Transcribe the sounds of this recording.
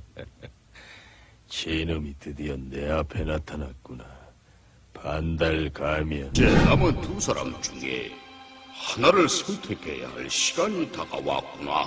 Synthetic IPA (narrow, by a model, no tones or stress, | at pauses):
t͡ɕʰenɯmitʰɯdiʌnːe̞apʰenatʰanak̚k͈una | pandaɭkamjʌnd͡ʑenamɯntusʰaɾa̰mt͡ɕuŋḛ | hanaɾɯɭsʰontʰekʰḛja̰ɦa̰ɭɕʰi̥ɡ̥aɲitaɡa̰wa̰k̚k͈una̰